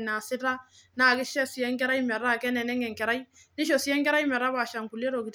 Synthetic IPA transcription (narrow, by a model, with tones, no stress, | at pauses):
na˨sɪ˦ɾa˦ | na˨kɛ˦ʃɛ˦si˨jɛ˦ŋ˦kɛ˦ɾa˦i˦mɛ˨ɾa˦˨kɛ˦nɛ˨nɛ˦ŋɛ˨ŋkɛ˨ɾa˦i˦ | ni˦ʃo˨si˦ɛ˦ŋkɛ˦ɾa˦i˦mɛ˨ɾa˦βaː˨ʃa˨ŋku˨le˦ɾo˨ki˨t